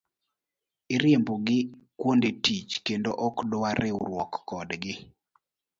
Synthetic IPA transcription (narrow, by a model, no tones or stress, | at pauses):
ɪɾjemboɡɪkwondetit͡ʃkendoʔɔkdʊaɾɪɾwɔkːɔdɡɪ